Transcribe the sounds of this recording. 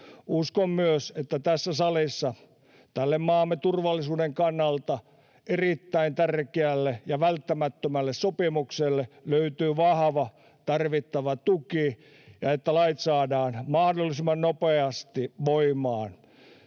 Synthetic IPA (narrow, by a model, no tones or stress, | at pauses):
uskommyøset̪ːæt̪æsːæsɑlisːɑ | t̪ælːemmɑːmːet̪urʋɑlːisuːdeŋkɑnːɑlt̪ɑ | erit̪ːæint̪ærkeælːejɑʋælt̪ːæmæt̪ːømælːessopimukselːeløyt̪yːʋɑhʋɑ | t̪ɑrʋit̪ːɑʋɑt̪uki | jɑet̪ːælɑit̪sɑːdɑːnmɑhdolːˑisimːˑɑnnopeɑst̪iʋoimɑːn